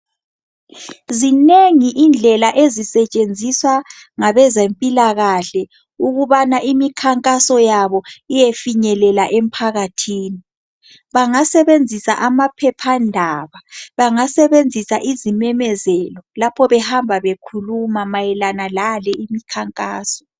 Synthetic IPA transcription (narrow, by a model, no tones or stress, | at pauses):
zineŋiʔind͡ɮʱɛlaʔezisɛt͡ʃʼend͡zʱiswa | ŋaβɛzempʼilaɣaɬɛ | uɣuβanaʔimikʰaŋkʼasɔjaβɔijefiɲɛlɛlaʔem̩pʰaɣatʰiːni | βaŋasɛβend͡zʱisa̰ʔamapʰɛpʰandʱaːβaβaŋasɛβend͡zʱisaʔizimɛmɛzɛlɔlapʰɔβɛhambʱaβekʰulumamajɛlanalalɛʔimikʰaŋkʼaːsɔ̥